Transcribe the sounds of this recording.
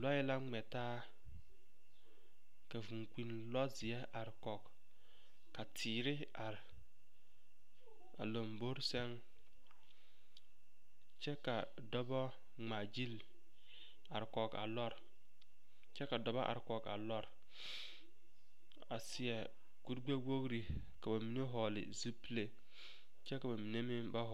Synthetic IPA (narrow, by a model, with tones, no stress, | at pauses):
lɔ˦jɛ˦la˦ŋ͡mɛ˨taː˦ | ka˨vu˨ŋ˨k͡pi˨n | lɔ˦zi˨ɛ˦ʔa˨ɾkɔ˨kː | a˨tʰiː˨ɾɪ˦ | a˨ɾ | a̰˨lo˨mbo˦ɾsɛ˦ŋ | t͡ʃɛ˦ka˨ | dɔ˦bɔ˦ | ŋ͡maː˨d͡ʒi˦l | a˨ɾkɔ˨ka̰˨lɔ˦ɾ | t͡ʃɛ˦ka˨dɔ˨ba˦ʔa̰˨ɾkɔ˨ka̰˨lɔ˦ɾ | a̰˨sɪ˨ɛ˨ | ku˦ɾɡ͡be˦ɡo˦ɡɾi˨ | ka˨ba˨mi˨ne˦ɦɔ˨lɪ̰˨zu˦pi˦le˦ | t͡ʃɛ˦ka˨ba˨mi˨ne˦mɪ˦ŋba˦ɦɔ˨